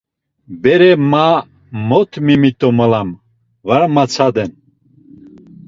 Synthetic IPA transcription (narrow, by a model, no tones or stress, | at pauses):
bɛɾɛma | mɔt̪ʰmimit̪ʼɔməlam | vaɾamat͡sʰad̪ɛn